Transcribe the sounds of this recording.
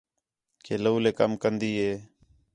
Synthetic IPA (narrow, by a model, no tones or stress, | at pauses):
kʰeːlouːleːkəmkənd̪iːɦeː